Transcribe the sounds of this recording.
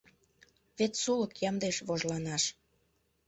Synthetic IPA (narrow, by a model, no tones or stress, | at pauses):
βet̪suləkjɑmd̪eʃβoʒlɑnɑʃ